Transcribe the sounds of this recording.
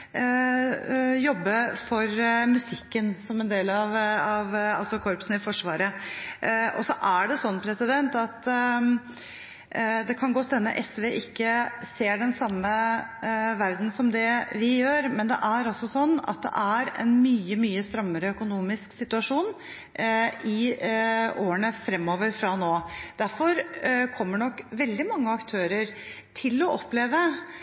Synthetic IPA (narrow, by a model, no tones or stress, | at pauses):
jɔbːəfɔɾmʉsɪkːənsɔmɛnd̪eːlɑʋɑʋɑlsɔkʰɔɾpsnɪfɔʂʋɑːɾə | ʔɔsɔʔæɖɛsɔnːpʰɾɛsɪd̪ɛnt̪ɑt̪ | d̪ɛkʰɑnɡoːst̪ɛnːə̰ʔɛsʋeːʔɪkːəseːɖɛnsɑmːə | ʋæɾd̪n̩sɔmd̪ɛʋɪjøːɾmɛnd̪ɛ̰ʔæɾɑsɔsɔnːɑ̰t̪̚d̪ɛ̰ʔæɾɛ̰nmyːəmyːəst̪ɾœmːəɾəœkʊnuːmɪsksɪt̪ʉɑʂuːn | ɪ | oːəɳəfɾɛmːoːʋəɾfɾɑnoːd̪̥æɾfɔɾkʰɔmːəɳɔkːʋɛld̪ɪmɑŋːəɑkt̪ʰøːɾəɾ | t̪ʰɪlːɔʔɔpleːʋə